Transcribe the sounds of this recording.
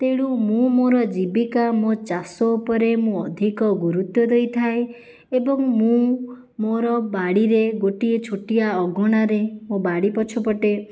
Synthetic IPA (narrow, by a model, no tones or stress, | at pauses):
t̪eɽ̃umũmoɾɔd͡ʒibikamot͡ʃasɔupɔɾemũɔd̪ʱikɔɡuɾut̪jɔd̪ejt̪ʰae | ebɔŋmũ | moɾɔbaɽiɾeɡoʈiet͡ʃʰoʈijaɔɡʱɔɽ̃aɾemobaɽipɔt͡ʃʰɔpɔʈe